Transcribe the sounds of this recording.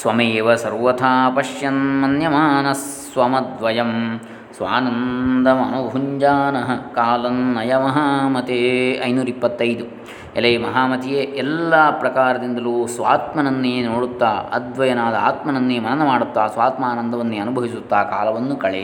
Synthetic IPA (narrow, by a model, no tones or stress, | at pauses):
sʋɐmeːʋɐsɐɾʋɐt̪ʰaːpɐʂjɐnmɐnjɐmaːnɐs | ʋɐmɐd̪ʋɐjɐm | sʋaːnɐnd̪ɐmɐ̰nubʱuɲd͡ʒaːnɐɦɐkaːlɐnnɐjɐmɐɦaːmɐt̪eɐ̰jnuːɾɐipːɐt̪ːɐjd̪u | ɛlɐjmɐɦaːmɐt̪ijeːɛlːaːpɾɐkaːɾɐd̪ind̪ɐluːsʋaːt̪mɐnɐnːinoːɽut̪ːaːɐ̰d̪ʋɐjɐnaːd̪ɐa̰ːt̪mɐnɐnːimɐnɐnɐmaːɽut̪ːaːsʋaːt̪maːnɐnd̪ɐʋɐnːiɐnubʱɐʋisut̪ːaːkaːlɐʋɐnːukɐɭḛ